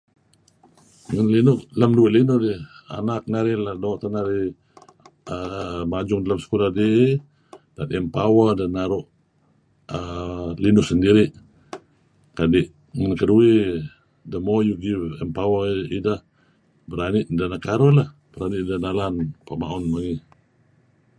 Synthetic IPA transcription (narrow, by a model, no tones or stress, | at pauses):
ŋanlinʊʔlamdueʔlinʊhdɪha̰nak̚naɾiladoʔt̪anaɾi | əmad͡ʒʊŋdalamsə̥kulahdeʔ | dat̪ɛmpawədanːaɾʊʔ | əlinʊsəndiɾiʔ | kadɪʔ | ŋankədue | dəmɔjuɡivɛmpawəidah | bəɾanɪʔdanakaɾɔlah | b̥əɾaniʔ̚danalanpama̰ʊnmaɡi